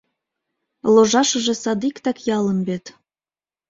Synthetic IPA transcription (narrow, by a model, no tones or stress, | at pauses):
loʒɑʃəʒesɑd̪ikt̪ɑkjɑlə̆nbet̪